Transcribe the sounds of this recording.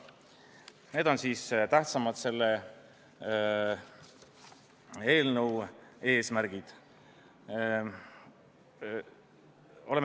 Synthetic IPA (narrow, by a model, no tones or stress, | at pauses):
ne̞ːd̪o̞nsiːst̪æht̪sɑmɑd̪̥se̞lːe | e̞ːlnəwe̞ːsmæɾɡ̥id̪̥ | o̞lem